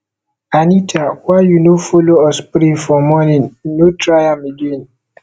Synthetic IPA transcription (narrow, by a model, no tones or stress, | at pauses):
anitʰawajunofoloɔspɾifɔmɔninnotɾajamiɡin